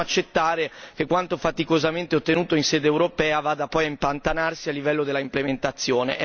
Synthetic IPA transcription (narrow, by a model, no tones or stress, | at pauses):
at͡ʃːet̪ːaːɾek̟ekːwant̪ofat̪ikozament̪eot̪ːenuːt̪oinsɛːd̪eːwɾopɛːavaːd̪apɔjaimpant̪anarsialːivɛlːod̪elːaimplement̪at̪sːjoːnḛʔɛ